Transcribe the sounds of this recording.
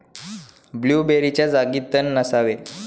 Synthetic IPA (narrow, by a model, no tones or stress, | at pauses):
bljuːbeɾit͡ɕjad͡zaɡit̪ːənːəsaʋe